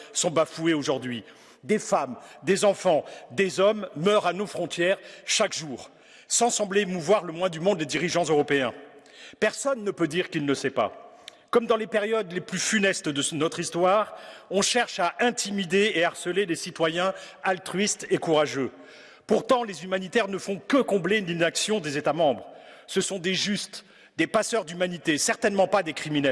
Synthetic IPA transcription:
sɔ̃bafueoʒuʁd̪ɥi | d̪efamd̪ezɑ̃fɑ̃d̪ezɔmːœʁanofχɔ̃t̪jɛʁʃakʒuːʁ | sɑ̃sɑ̃blemuvwaʁləmwɛ̃d̪ymɔ̃d̪ːed̪iʁiʒɑ̃zøʁɔpeɛ̃ | pɛʁsɔnːəpød̪iʁkilnəsɛpa̰ | kɔmd̪ɑ̃lepeʁjɔd̪leplyfynɛst̪d̪ənɔt̪χist̪waʁɔ̃ʃɛʁʃaʔɛ̃t̪ʰimid̪eːaʁsəlelesit̪wajɛ̃alt̪χɥist̪ekuʁaʒø | puʁt̪ɑ̃lezymanit̪ɛʁnəfɔ̃kəkɔ̃bleyninaksjɔ̃d̪ezet̪amɑ̃bʁ | səsɔ̃d̪eʒyst̪ | d̪epasœʁd̪ymanit̪esɛʁt̪ɛnmɑ̃pad̪ekχiminɛl

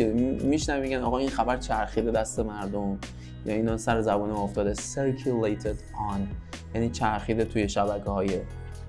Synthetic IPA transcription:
emiʃnævimeɟʲænɒːɣɒːinxæbæɾt͡ʃʰæɾxiːd̪e̞d̪æst̪e̞mæɾd̪om | jɒ̰ːiːnɒːsæɾezæbuːneoft̪ɒːd̪eseɾkʰulejt̪ʰed̪ | ɒn | jæniːt͡ʃʰæɾxiːd̪et̪ʰuje̞ʃæbækʰehɒːje

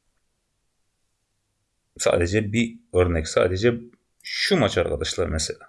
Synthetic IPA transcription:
sɑ̰ːd̪ɛd͡ʒɛbiøɾnɛkʲsɑ̰ːd̪ɛd͡ʒɛ | ʃumɑt͡ʃʰɑɾʁɑ̰d̪ɑʃlˠɑɾmɛsɛlʲɛ

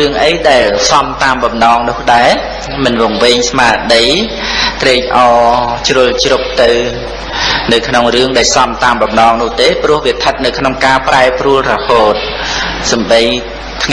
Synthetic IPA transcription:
ɨəŋʔəjɗaɛlsɑmt̪aːmɓɑmnɑːŋnʊ̆əhɗaɛ | mɨnʋŏəŋʋɨɲsmaːɗəj | t̪reːc̚ʔɑːt͡ɕrŭəlt͡ɕrup̚t̪ɨw | nɨwkʰnoŋrɨəŋɗaɛlsɑmt̪aːmɓɑmnɑːŋnʊ̆əht̪eːprʊ̆əhʋiət̪ʰət̪̚nɨwkʰnoŋkaːpraɛpruəlrɔhoːt̪̚ | sɑmɓəj | t̪ʰŋ

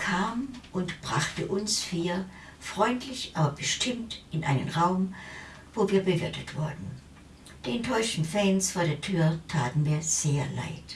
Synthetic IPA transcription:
kʰaːmʔʊntb̥ʁaχtəʔʊnsfiːɐ | fʁ̥ɔʏntʰlɪçʔaːbɐbəʃtʰɪmtʔɪnʔaɪnənʁaʊm | voːviːɐbəvɪɐtətv̥ʊɐdn̩ | d̥iːɛntʰɔʏʃtn̩fɛːnsfoːɐɾeːɐtʰyːɐtʰaːtn̩viːɐz̥eːɐla̰ɪt

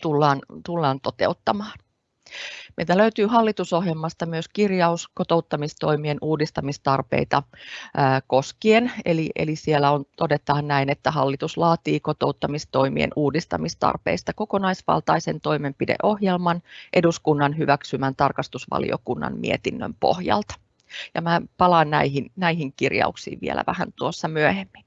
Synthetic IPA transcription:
t̪ulːɑːnt̪ulːɑːnt̪ot̪ḛut̪ːɑmɑːn | meit̪æløyt̪yːɦɑlːit̪uso̞ɦjelmɑst̪ɑmyøskirjɑuskot̪o̞ut̪ːɑmist̪o̞imienuːdist̪ɑmist̪ɑrpḛit̪ɑ | ko̞skienḛliʔḛlisielːæont̪odet̪ːɑːnnæinet̪ːæhɑlːit̪uslɑːt̪iːkot̪out̪ːɑmist̪oimiḛnuːdist̪ɑ̰mist̪ɑ̰rpḛist̪ɑkokonɑisʋɑ̰lt̪ɑisent̪o̞imempidḛʔo̞hjelmɑnʔeduskunːɑnɦyʋæksymænt̪ɑrkɑst̪usʋɑ̰lḭo̰kunːɑ̰nmḭet̪inːø̰mpo̰hjɑ̰lt̪ɑ̥ | jɑmæːpɑlɑːnnæiɦinnæihiŋkirjɑ̰uksḭːʋʋḭḛlʔæ̰ʋæhæ̰nt̪uosːɑmyøhemːin

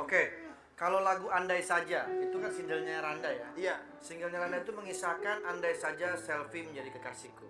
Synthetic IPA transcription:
oke | kalowlaɡuandajsad͡ʒait̪ukansindəlɲaɾandajaa | səiŋɡəlɲaɾandait̪uməŋisakanandajsad͡ʒasɛlfiməɲd͡ʒadikəkasiku

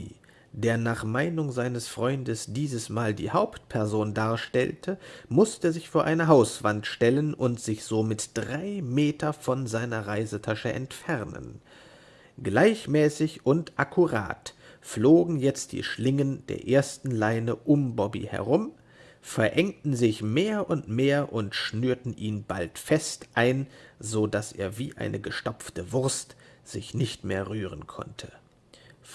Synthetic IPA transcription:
d̥eːɐnaːχmaɪnʊŋzaɪnəsfʁ̥ɔʏndəsd̥iːzəsmaːldḭːhaʊpt̚pʰɛɐzoːndaːɐʃtɛ̰ltʰəmʊstəzɪçfoːɐʔaɪnɐɦaʊsv̥antʃtɛlənʔʊntz̥ɪçz̥oːmɪtd̥ʁaɪmeːtʰɐfɔnzaɪnɐʁaɪzətʰaʃəʔɛ̰ntfɛʁnə̰n | ɡ̥laɪçmɛːsɪçʔʊntʔakʰuʁa̰ːtfloːɡŋ̩jɛt͡st̚d̥ḭːʃlɪŋənd̥ḛːɐʔeːɐstn̩laɪnəʔʊmbɔbḭhɛ̰ɐʁ̞ʊm | fɛɐʔɛŋtn̩zɪçmeːɐʔʊntmeːɐʔʊntʃnyːɐtn̩ʔiːnba̰ltfɛstʔaɪnzoːdasʔḛːɐvḭːʔa̰ɪnʔəɡəʃtɔp͡ftəvʊʁstz̥ɪçnɪçtmeːɐʁyːʁ̞ənkʰɔ̰ntʰə

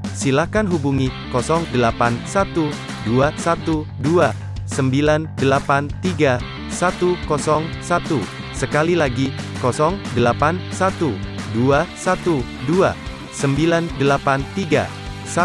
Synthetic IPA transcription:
silakanɦubuŋikɔsɔŋdəlapansat̪u | duasat̪udua | səmbilandəlapant̪iɡa | sat̪ukɔsɔŋsat̪u | səkalilaɡikɔsɔŋdəlapansat̪uduasat̪u | dua̰ | səmbilandəlapant̪iɡa̰ | sa

